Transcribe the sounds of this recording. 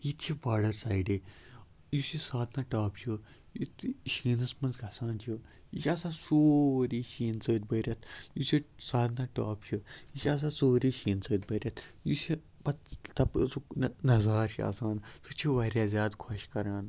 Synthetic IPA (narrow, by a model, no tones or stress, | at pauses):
jit̪t͡ʃʰibaːɖəɾsaːiɖi | jusisaːd̪naːʈaːpt͡ʃi | jit̪ʃiːnɐsmɐnzɡʱɐsaːnt͡ʃʰi | jit͡ʃʰʲɐsaːsoːɾiːʃiːnt͡səːd̪̚ʲbɐɾʲɐt̪ʰjusisaːd̪naːʈaːpt͡ʃʰijit͡ʃɐs̬ãːsoːɾiːʃiːnt͡səːd̪bɐɾʲɐt̪ʰjusi | pɐtt̪ɐpt͡sunɐzaːɾʃʰiɐ̰saːnsut͡ʃʰiʋɐɾjazʲjaːd̪kʰɔʃkɐɾaːn